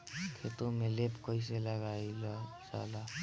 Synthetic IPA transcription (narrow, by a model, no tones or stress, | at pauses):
kʰet̪omelepʰkʌis̬eləɡailsa̰la